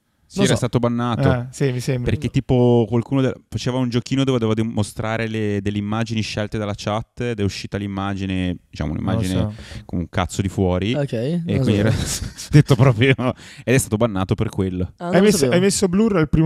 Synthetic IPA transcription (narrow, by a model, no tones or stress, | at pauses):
sɛɾast̪aːt̪obanːaːt̪osimisembɾpḛrk̟ett̪ːiːpokwalkuːnod̪efat͡ʃeːvaund͡ʒokiːnod̪oved̪evad̪imost̪ɾaːɾeled̪elːeimːaːd͡ʒiniʃɛlt̪ed̪alːat͡ʃat̪ːd̪ɛuʃːiːt̪alimːaːd͡ʒined̪i̥t͡ʃa̰m̰ṵnḭmːa̰d͡ʒinekonuŋkat̪sːod̪ifwɔːɾiokɛjekwind̪iɛɾad̪et̪ːopɾɔːpɾjoed̪ɛst̪aːt̪obanːaːt̪operkwelːoajesajmesːobluralpɾiː